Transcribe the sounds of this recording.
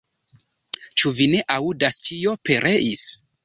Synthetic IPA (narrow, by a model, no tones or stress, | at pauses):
t͡ʃuvine̞ʔaudast͡ʃio̞pe̞ɾʔe̞ʔis